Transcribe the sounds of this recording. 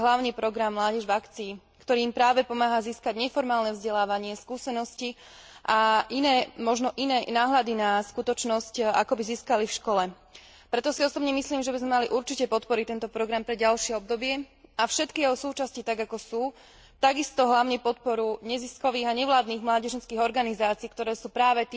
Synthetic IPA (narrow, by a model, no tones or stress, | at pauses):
ɦlaʊɲnipɾɔɡɾamːlaːɟɛʒvakt͡siː | kt̪ɔɾiːmpɾaːʋɛpɔmaːɦaziːskaɟɲɛfɔɾmaːlnɛvzɟɛlaːʋaɲɪɛskuːsɛnɔsci | ʔaʔinɛːmɔʒnɔʔinɛːnaːɦʎad̪inaskut̪ɔt͡ʃnɔsca̰kɔbiziːskalifʃkɔlɛ | pɾɛt̪ɔsiɔsɔbɲɛmisliːmʒɛbizmɛmaliʔuɾt͡ʃicɛpɔt̪pɔɾit̪ɛnt̪ɔpɾɔɡɾampɾɛɟalʃɪɛɔb̚d̪ɔbɪɛafʃɛt̪kijɛɦɔsuːt͡ʃascit̪aɡakɔsuː | t̪aɡist̪ɔɦlaʊɲɛpɔt̪̚pɔɾuɲɛziskɔʋiːɣaɲɛʋlaːd̪niːɣmlaːɟɛʒɛnskiːɣɔɾɡanizaːt͡siːkt̪ɔɾɛːsuːpɾaːʋɛt̪